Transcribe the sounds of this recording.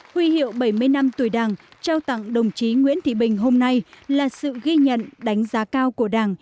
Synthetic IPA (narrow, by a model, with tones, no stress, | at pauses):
hwi˧hḭ˧˨əwɓə˧˩jmɨ˧əjna˧mt̪u˧˩əjɗaː˨˩ŋt͡ɕaː˧wt̪a̰˧˨ŋɗə˨˩wŋ͡mt͡ɕi˨˦ŋwi˧˥ənt̪ʰḭ˧˨ɓï˨˩ŋ̟ɦo˧mna˧jlaː˨˩sɨ̰˧˨ɣi˧ɲə̰˧˨nɗa˨˦jŋ̟zaː˨˦kaː˧wku˧˩əɗaː˨˩ŋ